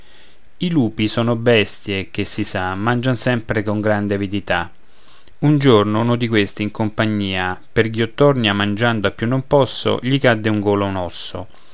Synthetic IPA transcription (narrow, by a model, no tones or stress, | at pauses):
iluːpisɔːnobɛst̪jek̟esːisamːand͡ʒansɛmpɾekoŋɡɾand̪eavid̪it̪a | und͡ʒornounod̪ikwest̪iːŋkompaɲːiːaperɡiot̪ːɔrnjamand͡ʒand̪oapːjunːompɔsːo̰ʎikad̪ːeuŋɡoːlonɔsːo̰